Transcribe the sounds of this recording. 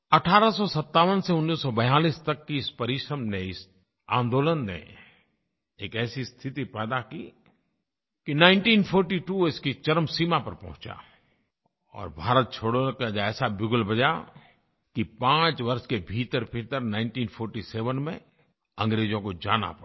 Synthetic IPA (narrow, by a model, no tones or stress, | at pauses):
ɐʈʰaːɾasɔsɐt̪ːaːʋənseʊnːiːsːɔbɐjaːliːst̪ɐkːiɪspɐɾɪʃɾəmneɪs | ã̰ːnd̪oːlənːḛ | eːkɛːsist̪ʰɪt̪ipɛːd̪akḭː | kinãːɪ̃ɳʈiːnfʰoːɾʈiʈuɪskit͡ʃɐɾmsiːmapɐɾpɐ̰ɦʊ̃t͡ʃa̰ | ɔ̰ːɾbʱaːɾət̪̚t͡ʃʰoːɽkad͡ʒɛːsabɪɡʊlbɐd͡ʒa | kipãːt͡ʃʋɐɾʃkebʱiːt̪əɾpʰit̪əɾnãːɪ̃ɳʈiːnpʰɔːɾʈiseːʋənmḛ̃ | ə̃ŋɡɾeːd͡ʒõkod͡ʒa̰ːna̰p